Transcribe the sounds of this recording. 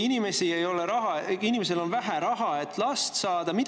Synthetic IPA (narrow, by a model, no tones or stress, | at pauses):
inime̞siejo̞leɾɑɦɑinime̞se̞lo̞nvæɦæɾɑɦɑet̪ːˑlɑst̪sɑːd̪̥ɑmid̪